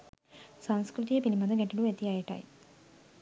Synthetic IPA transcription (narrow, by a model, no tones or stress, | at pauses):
sanskɾut̪ijɐpinimɐd̪ɐɡeɳʈːɐluʋet̪ːijaːjɐʈːa̰ːjḭ